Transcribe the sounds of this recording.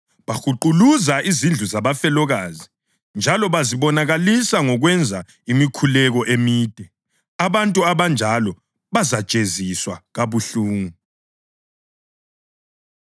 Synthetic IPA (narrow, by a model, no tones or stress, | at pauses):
βaxuǃuluzaʔizind͡ɮʱuzaβafɛlɔɣaːzi | nd͡ʒʱalɔβaziβɔnaɣalisaŋɔɣwɛnd͡zʱa | imikʰulɛɣɔʔemiːd̥ʱɛ | aβantʼuaβand͡ʒʱalɔ | βazḁt͡ʃʼeziswaɣaβuɬuːŋu